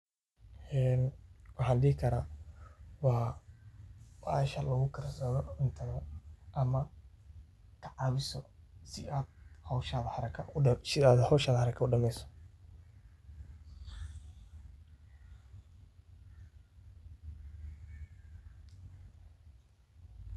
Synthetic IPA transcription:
ɛːnwɑħɑːnɖɪhɪkʰɐɾaː | wɑː | wɑʃɐlɐɣʊkʰɐɾɐsɐːðɔʕʊnt̪ʰɐðɐʔɐmɐ | kʰɑʕɑβɪsɔsɪʔaːd̪̥̚hɔwʃaːðɐħɑɾɐkʰɐsɪaːd̪hɔwʃaːðħɑɾɐkʰɐʊɖɐmɛjsɔ̥

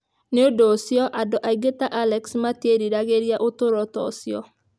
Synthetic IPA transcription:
neodosjɔʔadɔʔaiɡetaʔalɛksmateɾiɾaɣeɾjaʔotoɾɔtɔ̰sjɔ

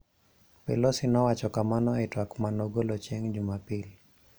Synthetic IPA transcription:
pɛlosinɔwat͡ʃɔkamanɔɛtwakmanoɡolɔt͡ʃɛŋd͡ʒumapili

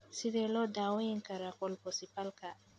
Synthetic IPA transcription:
sidɛlɔdawɔjiŋkaɾakɔlpɔsipalka

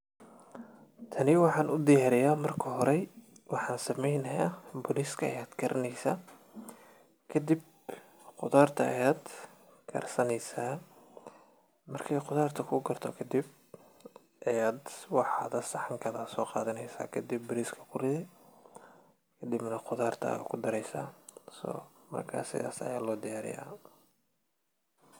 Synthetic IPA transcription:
t̪ʰɐnɪwɑħɑːnʔʊd̪ɪjaːɾɪjaːmɐrkʰɐɦɔɾɛj | wɑħɑːnsɐmɛjnɐjaːbɔliskʰɐɐjaːd̪ɡʰɐɾʔɐnɛjsaː | kʰɐd̪ib | qʊðaːrt̪ʰɐɐ̰jaːd̪ | kʰɐ̰rsɐnɛjsaː | mɐrkʰɛjqʊðaːrt̪ʰɐkʰʊɡɐrt̪ʰɔkʰɐd̪ib̚ | ʔɐjaːd̪wɑħɑːðɐsɑħɑŋkʰɐðɐsɔːqɑːðɐnɛjsa̰ːkʰɐd̪ɪbːɪɾiːskʰɐ̥kʰʊrɪðɛ | kʰɐd̪ɪbnɐqʊðaːrt̪ʰɐ̰kʰʊd̪ɐɾɛjsa̰ːsɔ̰ː | mɐ̰rkʰa̰ːsɪ̰ða̰ːsɐ̰jaːlɔːd̪ɪjaːɾɪ̰ja̰ː

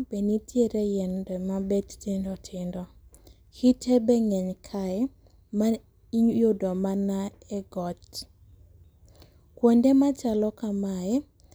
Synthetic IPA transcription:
benitʰjeɾejɛndɛmabɛttɪndɔtʰɪndɔ | hitʰebɛŋɛɲkʰaɛ | ma | ijodɔmanaɛɡɔt͡ʃ | kwondemat͡ʃalɔkamaɛ

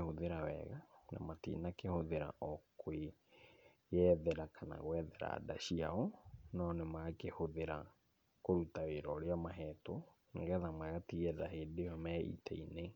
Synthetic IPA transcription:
hoðeɾawɛ̰ɣana̰matḭnakehoðeɾa̰ʔɔkwe | jɛðɛɾakʰana̰ɣwɛðɛɾa̰da̰ɕiaɔnɔnemakehoðeɾa | koɾutaweɾɔɾeamaɦɛto | neŋɡɛðamwɛɣatiɣɛðaɦeːdejɔmɛḭtʰɛ̰ine

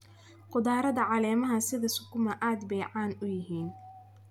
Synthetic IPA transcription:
qʊðaːɾɐðɐʕɑlɛːmɐɦɐsɪðɐsʊkʰʊmɐʔaːd̪bɛjʕɑːnʊjɪɦiːn

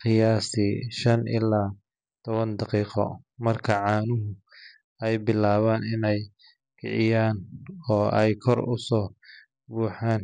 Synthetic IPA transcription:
qɪjaːsɪʃɐnʔɪ̰lːaː | t̪ʰɔβɐnd̪ɑqiːqɔ̰mɐrkʰɐʕɑːnʊɦʊ | ɛjbɪlaːβaːnɪnɛj | kʰɛ̰ʕɪjaːnɔːɛjkʰɔrʊ̰sɔː | buːħaːn

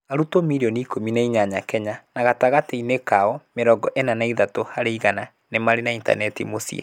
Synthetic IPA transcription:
aɾutomiɾiɔniːkominaiɲaɲakɛɲanaɣataɣateinekaɔmeɾɔɡɔʔenanaiðatohaɾeiɣana | nemaɾenainta̰nɛtḭmosḭɛ̰

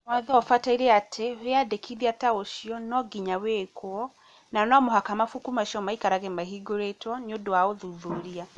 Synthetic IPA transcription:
mwaðaɔfataiɾeatʰeweadekʰiðiataoʃiɔnɔɡiɲawekʰoɔ | nanɔmoɦakamafukumaʃɔmaikaɾaɣɛmaɦiɡoɾetwɔniodowaoðuðuɾia

